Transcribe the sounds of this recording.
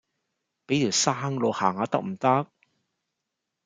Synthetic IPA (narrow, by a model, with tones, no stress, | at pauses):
pe˨˥jt̪ʰiː˨˩wsaː˥ŋlo˨˧haː˨˩ŋaː˨˧t̪ɐ˥k̚m̩˨˩t̪ɐ˥k̚